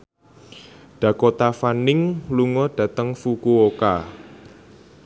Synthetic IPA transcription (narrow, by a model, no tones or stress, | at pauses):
ɖ̥ä̤kot̪afanɪŋluŋɔɖ̥ä̤t̪əŋfukuoka